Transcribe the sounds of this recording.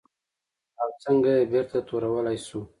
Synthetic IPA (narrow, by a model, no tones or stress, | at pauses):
awt͡səŋɡajebiɾt̪at̪oɾawəlajsu